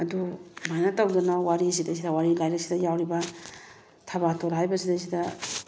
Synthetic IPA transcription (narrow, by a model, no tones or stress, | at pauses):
ɐdumajnɐtɐwdɐnowaɾis̬idɐs̬ʰidɐwaɾilajɾaksidɐjawɾibɐ | tʰɐβatʰoɾɦajbɐsidajs̬ʰidɐ